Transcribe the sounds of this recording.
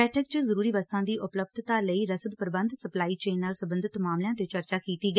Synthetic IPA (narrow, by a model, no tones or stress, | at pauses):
ɛːʈʰək̚t͡ʃəzəɾuːɾiːʋəst̪ʰãːd̪iːʔʊpləb̚d̪ʱt̪aːləiːɾəsəd̪pəɾbə̃nd̪səplaːiːt͡ʃeːnːaːlsəbənd̪ʱɪt̪maːmljãːt̪et͡ʃəɾt͡ʃaːkiːt̪iːɡə